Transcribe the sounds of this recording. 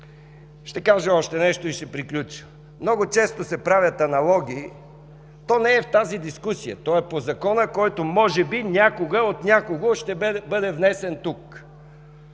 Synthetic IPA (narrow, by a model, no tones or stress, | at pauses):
ʃt̪ɛkaʒəɔʃt̪ɛnɛʃt̪oiʃɛpɾiklʲut͡ʃə̥ | mnɔɡot͡ʃɛst̪osɛpɾavʲjət̪ɐnɐlˠɔɡʲiː | t̪ɔnɛːft̪azid̪iskusijə̰t̪ɔɛpozɐkɔnəkɔjt̪omɔʒɛbinʲakoɡəot̪nʲjakoɡoʃt̪ɛbɤd̪ɛvnɛsɛnt̪uk